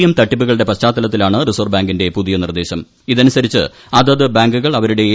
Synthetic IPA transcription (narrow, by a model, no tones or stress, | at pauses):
jɐmt̪ɐʈːipːuɣɐɭɨɽe̞pɐt͡ɕaːt̪ːɐlɐt̪ːilaːɳɨrisoːrbaːŋɡinde̞puðijɐnird̪e̞ːɕɐm | iðɐnusɐɾit͡ɕːɨ | ɐðɐðɨbaːŋɡuɣɐɭɐʋɐɾuɽe̞